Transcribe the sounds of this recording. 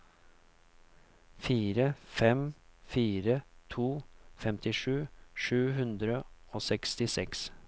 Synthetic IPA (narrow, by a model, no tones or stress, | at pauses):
fiːɾəfɛmfiːɾət̪ʰuːfɛmt̪ɪʂʉːʂʉːɦʉnd̪ɾəoːsɛkst̪ɪsɛks